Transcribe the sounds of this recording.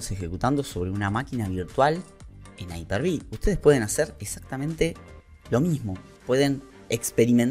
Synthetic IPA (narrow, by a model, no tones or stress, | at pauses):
sexekut̪and̪o̞so̞βɾeunamakinaβ̞iɾt̪wal | enajpeɾβiust̪e̞ð̞espwe̞ð̞e̞naseɾeksak̚t̪amẽnt̪e | lo̞mizmo̞ | pwe̞ðe̞n | ekspe̞ɾimen